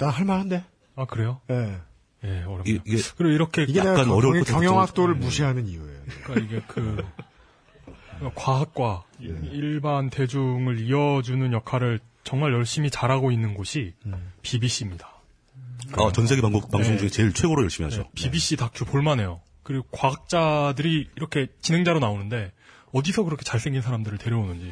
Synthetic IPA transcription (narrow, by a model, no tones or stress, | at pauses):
tahaɭmanɦande̞ | akɯɾe̞joje | je̞ʌɾʌiiekɯɾiɡoiɾʌkʰe̞ɡak͈anʌɾʌjʌŋjʌŋɦak̚t͈oɾɯɭmuɕʰiɦanɯnijueok͈aiɡe̞kɯ | kwaɦak̚k͈waiɭbante̞d͡ʑuŋɯɾiʌd͡ʑunɯnjʌkʰaɾɯɭ | t͡ɕʌŋmaɭjʌɭɕ͈imit͡ɕaɾɦaɡoinːɯnɡoɕʰipibiɕ͈imɲid̥ḁ | at͡ɕʌnsʰe̞ɡeaŋbopaŋsʰoŋd͡ʑuŋet͡ɕe̞ɭt͡ɕʰwe̞ɡoɾojʌɭɕ͈imiɦad͡ʑo̰pibiɕ͈itak̚t͡ɕʰupoɭmanejo | kɯɾiɡokwaɦak̚t͡ɕ͈adɯɾiːɾʌkʰe̞t͡ɕine̞ŋd͡ʑaɾonaonɯnde̞ | ʌdisʰʌkɯɾʌkʰe̞t͡ɕaɭs͈ʰe̞ŋɡinsʰaɾamdɯɾɯɭte̞ɾjʌonɯnd͡ʑi